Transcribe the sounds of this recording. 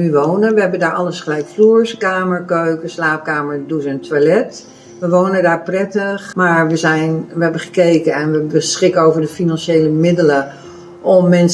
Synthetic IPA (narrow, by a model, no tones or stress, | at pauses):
yʋoːnənʋəɦɛbəndaːɹʔɑləsχəlɛjkfluːɹskaːməɹkøɥkəslaːp̚kaːməɹduzəntʋalɛt | ʋəʋownədaːɹprɛtəχmaːɹʋəzɛjnʋəɦɛbənχə̥kejkənɛnʋəbəsχɪkəowvəɹdəfinɑnʃeːləmɪdələ | ʔɔmːɛns